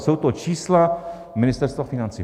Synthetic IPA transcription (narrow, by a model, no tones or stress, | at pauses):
sowt̪ot͡ʃiːsla | mɪnɪst̪ɛɾst̪vafɪnant͡sḭː